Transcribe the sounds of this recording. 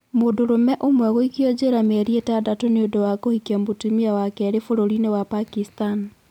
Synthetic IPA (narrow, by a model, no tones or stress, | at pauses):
modoɾomɛʔomwɛɣoikiod͡ʒeɾamɛɾietadatoneodowakohikambotimiawakɛɾefoɾoɾinewapakistan